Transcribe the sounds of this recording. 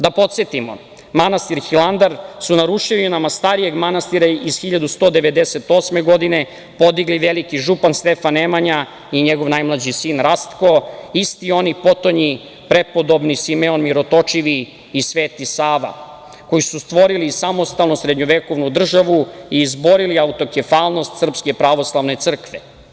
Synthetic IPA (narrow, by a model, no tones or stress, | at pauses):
d̪apo̞t̪se̞t̪imo̰ | manast̪iɾxiland̪aɾsunaɾuʃiunamast̪aɾije̞ɡmanast̪iɾaizxiʎad̪ust̪o̞d̪eʋe̞d̪eset̪o̞ːsmeɡo̞d̪ine̞ | po̞d̪iɡliʋelikiʒupanst̪efanːemaɲa | iɲeɡo̞ʋnajmlˠad͡ʑisiːnɾast̪ko̞ist̪io̞nipo̞t̪o̞ɲi | pɾe̞po̞d̪o̞bnisimeonmiɾo̞t̪o̞t͡ʃiʋiː | sʋe̞ːt̪isaːʋa̰ | ko̞jisust̪ʋo̞ɾilisamo̞st̪alˠnusɾed̪ɲoʋeko̞ʋnud̪r̩ʒaʋuiːzbo̞ɾiliaut̪o̞kefaːlˠno̞st̪sr̩pske̞pɾaʋo̞slˠaʋne̞t̪sr̩kʋe